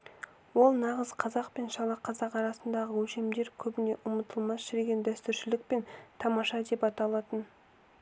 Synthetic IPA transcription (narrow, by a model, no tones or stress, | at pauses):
wo̞lˠnɑʁəzqʰɑzɑqpe̞nʃɑlˠɑqʰɑzɑqɑɾɑsənd̪ɑʁəwɵʃe̞md̪e̞ɾkʲʰɵbɪne̞ʔʊmət̪əlˠmɑsʃɪɾeɡʲe̞nd̪æst̪ʏɾʃɪlɪk̚pe̞nt̪ʰɑmɑʃɑd̪e̞pɑt̪ɑlˠɑt̪ən